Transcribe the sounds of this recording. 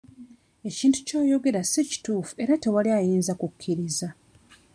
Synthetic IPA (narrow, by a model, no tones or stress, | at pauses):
e̞ciːntu̥co̞ːjo̞ɡe̞ɾasici̥tuːfue̞ɾate̞waliajiːnzakukʰʲːiɾiza